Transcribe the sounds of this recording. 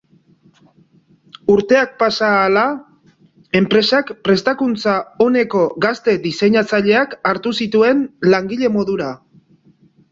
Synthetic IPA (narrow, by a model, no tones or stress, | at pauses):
uɾt̪e̞ak̚pasaːla | e̞mpɾe̞sakpɾe̞st̪akunt͡sao̞ne̞ko̞ɣast̪e̞d̪ise̞ɲat͡saʎe̞akaɾt̪usit̪ue̞nlaŋɡiʎe̞mo̞ðuɾa